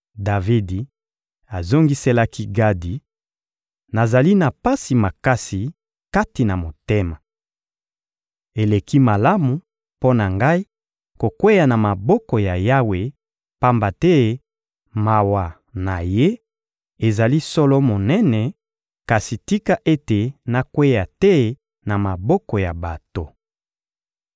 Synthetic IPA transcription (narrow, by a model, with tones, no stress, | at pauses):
da˨vi˦di˨ | a˨zo˦ŋɡi˦se˦la˦ki˦ɡa˦di˨ | na˨za˨li˦na˨pa˦si˨ma˨ka˦si˨ | ka˦ti˨na˨mo˨te˦ma˨ | e˨le˨ki˦ma˨la˦mu˨ | po˦na˨ŋɡa˦i˦ | ko˨kwe˦ja˨na˨ma˨bɔ˦kɔ˨ja˨ja˦we˨ | pa˦mba˨tɛ˦ | ma˨wa˨ | na˨je˦ | e˨za˨li˦sɔ˦lɔ˦mo˨nɛ˦nɛ˨ | ka˨si˨ti˦ka˦ʔe˦te˨na˨kwe˦ja˨tɛ˦ | na˨ma˨bɔ˦kɔ˨ja˨ba˨to˦